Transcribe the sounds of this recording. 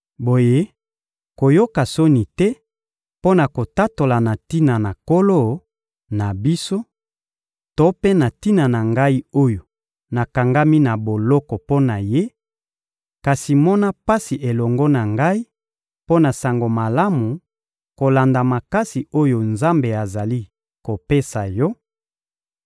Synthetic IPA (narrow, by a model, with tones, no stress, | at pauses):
bo˨je˦ | ko˨jo˦ka˨so˦ni˨tɛ˦ | po˦na˨ko˨ta˦to˨la˨na˨ti˦na˨na˨ko˦lo˦ | na˨bi˦so˦ | to˦pe˦na˨ti˦na˨na˨ŋɡa˦i˦o˦jo˨ | na˨ka˨ŋɡa˦mi˦na˨bo˨lɔ˦kɔ˨po˦na˨je˦ | ka˨si˨mɔ˦na˦pa˦si˨ʔe˨lɔ˨ŋɡɔ˦na˨ŋɡa˦i˦ | po˦na˨sa˨ŋɡo˨ma˨la˦mu˨ | ko˨la˨nda˨ma˨ka˦si˨o˦jo˨nza˦mbe˨a˨za˨li˦ | ko˨pe˦sa˨jɔ˦